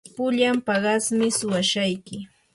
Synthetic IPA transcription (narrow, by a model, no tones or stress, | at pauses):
pʊʎampɑɢɑsmɪsʊwaʃajkɪ